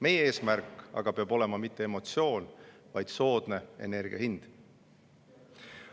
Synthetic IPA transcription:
me̞jeeːsmærkːˑɑ̰ɡ̥ɑpeɑbo̞le̞mɑmit̪ːe̞emo̞t̪sio̞ːn | vɑjd̪̥so̞ːd̪̥ne̞e̞̰ne̞rɡ̥ḭɑ̰hind̪̥

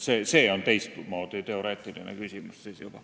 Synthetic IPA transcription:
seːse̞ːo̞nt̪e̞jst̪moːd̪̥et̪e̞o̞ɾe̞ːt̪ˑilinḛkysʲimussiːsjub̥ɑ

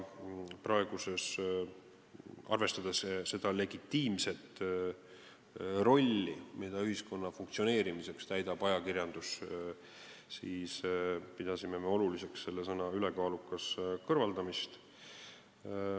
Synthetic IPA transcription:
prɑe̞ɡ̥use̞s | ʔɑ̰rve̞st̪ɑd̪̥esse̞d̪ɑle̞ɡ̥it̪ːiːmse̞t̪ | ro̞lʲːimid̪̥ɑyɦisko̞nːɑfuŋkt̪sio̞ne̞ːɾimise̞kst̪æjd̪̥ɑb̥ɑjɑkirjɑnd̪̥us | siːspid̪̥ɑsime̞me̞o̞lulise̞ksse̞lːe̞sɤnɑyle̞kɑːlukːˑɑskɤrvɑld̪̥ɑmist̪

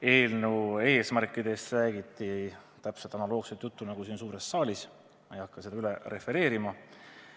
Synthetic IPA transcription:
e̞ːlnue̞ːsmærkːˑid̪̥e̞st̪ræːɡ̥it̪ˑːi | t̪æpselt̪ɑnɑlo̞ːɡ̥set̪jut̪ːunɑɡ̥usiːnsuːɾe̞sːɑːlʲis | ejɑkːɑse̞d̪ɑyleɾe̞fe̞ɾe̞ːɾimɑ

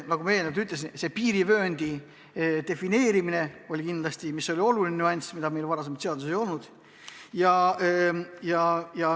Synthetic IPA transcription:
nɑɡume̞lnet̪yt̪ˑlesinse̞piːɾivøːnʲd̪̥i | d̪e̞fine̞ːɾimine̞o̞lʲikind̪lɑst̪imisːo̞lʲio̞lulʲinnʲyuɑnʲsmid̪̥ɑme̞jlvɑɾɑsemɑt̪se̞ɑd̪usejo̞lnud̪̥ | jɑ | jɑjɑ

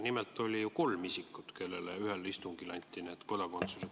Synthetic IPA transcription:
nimelt̪ːˑo̞lʲijuko̞lmisikːˑut̪ke̞lːeleyhelist̪uŋɡilɑnʲt̪ʲːˑineːt̪ko̞d̪ɑko̞nt̪suse

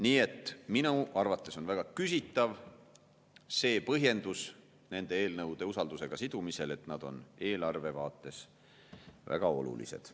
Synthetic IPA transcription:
niːe̞t̪ˑːminuʔɑrvɑt̪ːˑe̞so̞nvæɡ̥ɑkysit̪ːˑɑv | se̞ːpɤɦje̞nd̪̥us | ne̞nd̪̥e̞e̞ːlnɤwd̪̥e̞usɑld̪use̞ɡ̥ɑsid̪̥umise̞le̞t̪nɑd̪̥o̞̰ne̞ːlɑrve̞vɑːt̪ːˑe̞s | væ̰ɡ̥ɑo̞̰lṵlḭse̞̰d̪̥

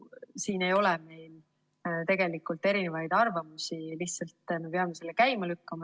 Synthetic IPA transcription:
siːne̞jo̞lɛme̞jl | t̪e̞ɡ̥e̞likːˑult̪ːˑe̞ɾinevɑjd̪̥ɑrvɑmusiliçt̪sɑlt̪me̞peɑmeselːekæjmɑlykːɑmɑ

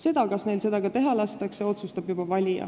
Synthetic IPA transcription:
se̞d̪̥ɑkɑsne̞jlse̞d̪̥ɑɡɑt̪e̞ɦɑlɑst̪ɑkse̞o̞t̪sust̪ɑb̥jub̥ɑvɑlʲijɑ̰

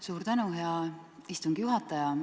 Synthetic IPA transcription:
suːɾt̪ænuɦeɑist̪uŋɡijuɦɑt̪ːˑɑjɑ

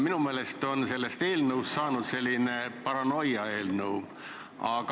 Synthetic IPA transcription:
minumeːle̞st̪o̞nse̞lːe̞st̪e̞ːlnəwst̪sɑːnud̪se̞lʲːinepɑɾɑno̞jɑeːlnəw | ɑ̰ɡ

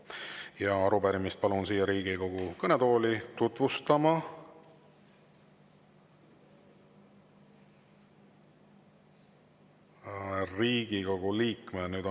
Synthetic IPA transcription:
jɑɑɾubæɾimist̪̚pɑlunsiːjɑɾiːɡiko̞ɡ̥ukɤne̞t̪o̞ːlit̪ut̪vust̪ɑmɑ | riːɡ̥iko̞ɡ̥uliːkˑmenyːd̪

